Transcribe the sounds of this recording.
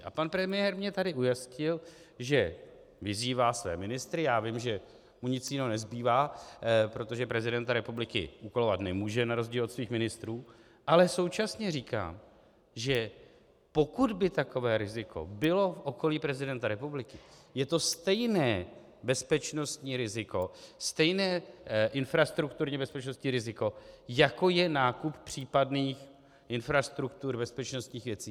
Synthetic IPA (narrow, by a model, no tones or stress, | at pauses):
a̰panpɾɛmɪjɛɾmɲɛt̪adɪʔujascɪlʒɛ | vɪziːvaːsvɛ̰ːmɪnɪst̪ɾɪjaːvɪmʒɛ | muɲɪt͡sjɪnonɛzbiːvaːpɾo̞t̪o̞ʒɛpɾɛzɪdɛnt̪aɾɛpublɪkɪ̰ʔukolovat̪nɛmuːʒɛnaɾo̞zɟiːlot̪sviːxmɪnɪst̪ɾuː | ʔalɛso̞wt͡ʃasɲɛriːka̰ːm | ʒɛ | po̞kudbɪt̪ako̞vɛːɾɪzɪkʰo̞̰bɪlo̞fʔo̞ko̞liːpɾɛzɪdɛnt̪aɾɛpublɪkɪjɛt̪o̞st̪ɛjnɛː | bɛspɛt͡ʃno̞st̪ɲiːɾɪzɪko̞st̪ɛjnɛːʔɪnfɾast̪ɾukt̪uɾɲɛbɛspɛt͡ʃno̞st̪ɲiːɾɪzɪko̞jako̞jɛnaːkuppr̝̥iːpadniːx | ʔɪnfɾast̪ɾukt̪uɾbɛspɛt͡ʃno̞st̪ɲiːxvjɛt͡siː